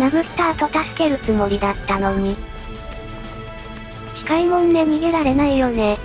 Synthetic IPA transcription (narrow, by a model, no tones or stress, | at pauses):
namɯ̟sɨ̥t̪aːt̪o̞t̪asɨ̥ke̞ɾɯ̟t͡sɨmo̞ɾʲid̪at̪ːano̞ɲ̟i | çʲi̥kaimõ̞nd̪e̞m̟ʲiɡeɾaɾe̞naijo̞ne̞